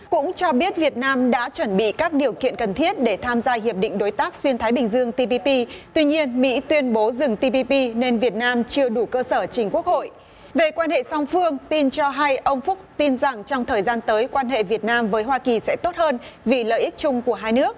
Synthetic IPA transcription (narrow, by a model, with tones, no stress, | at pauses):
kʊ̰˧˥ŋ͡mt͡ɕɔ˧ɓi˦˥ət̚vi˨˩ət̚naː˧mɗa̰ː˧˥t͡ɕwə˧˩nɓḭ˧˨kaː˦˥k̚ɗi˨˩əwkḭ˧˨ənkə˨˩nt̪ʰi˦˥ət̚ɗe˧˩t̪ʰaː˧mzaː˧ɦi˨˩əp̚ɗḭ˧˨ŋ̟ɗo˨˦jt̪aː˦˥k̚swi˧ənt̪ʰaː˨˦jɓï˨˩ŋ̟zɨ˧əŋt̪i˧pi˧pi˧t̪wi˧ɲi˧ənmḭ˧˥t̪wi˧ənɓo˨˦zɨ˨˩ŋt̪i˧pi˧pi˧ne˧nvi˨˩ət̚naː˧mt͡ɕɨ˧əɗu˧˩kəː˧səː˧˩t͡ɕï˨˩ŋ̟ku˦˥ək̚ho̰˧˨jʔ | ve˨˩kwaː˧nhḛ˧˨sa˧wŋ͡mfɨ˧əŋt̪i˧nt͡ɕɔ˧ɦa˧jʔə˧wŋ͡mfʊ˦˥k͡p̚t̪i˧nza˨˩ŋt͡ɕɔ˧wŋ͡mt̪ʰəː˨˩jzaː˧nt̪əː˨˦jkwaː˧nɦḛ˧˨vi˨˩ət̚naː˧mvəː˨˦jɦwaː˧ki˨˩sɛ̰˧˥t̪o˦˥t̚həː˧nvi˨˩lə̰ː˧˨jʔi˦˥k̚t͡ɕʊ˧ŋ͡mku˧˩əɦaː˧jnɨ˦˥ək̚